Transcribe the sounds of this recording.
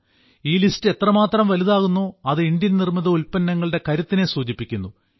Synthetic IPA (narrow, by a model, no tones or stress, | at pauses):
iːlistɨe̞t̪rɐmaːt̪rɐmʋɐliðaːɣunːoːɐðɨindjɐnnirmiðɐulpɐnːɐŋːɐɭɨɽe̞kɐɾut̪ːine̞suːd͡ʑipːikʲːunːu